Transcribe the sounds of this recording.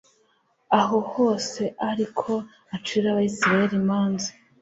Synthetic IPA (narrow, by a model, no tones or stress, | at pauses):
aɦo̞ho̞ːse̞ʔaɾikʰo̞ | at͡ʃuiɾaβaisiɾaje̞ɾimaːnza